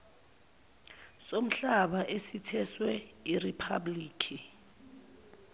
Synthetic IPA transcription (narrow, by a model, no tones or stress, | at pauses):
som̩ɬaɓaʔesitʰɛswɛiripʰabliːkʰi